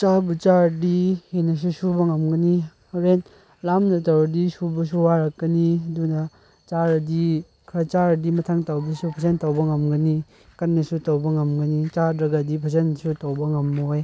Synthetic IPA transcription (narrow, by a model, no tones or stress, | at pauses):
t͡ʃaɾbut͡ʃaɾdihenɐs̬usubɐŋɐmɡɐni | aɾen | lamnɐtawɾɐdisubɐs̬uwaɾɐkːɐniɐdunɐ | t͡ʃaɾɐdi | kʰɾɐt͡ʃaɾdimɐtʰaŋtawbɐsupʰɐzentawbɐŋɐmɡɐni | kɐnːesutawbɐŋɐmɡɐnit͡ʃadɾɐɡɐdipʰɐsensutɐwbɐŋɐmːoj